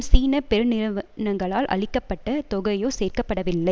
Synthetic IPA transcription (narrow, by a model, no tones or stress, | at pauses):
siːnɐpɛɾɯnɪnɐŋɡɐɭaːlʔɐ̰ɭɪkːɐpːɐʈːɐt̪ɔɣɐjoːseːrkɐpːɐɽɐʋɪlːɐɪ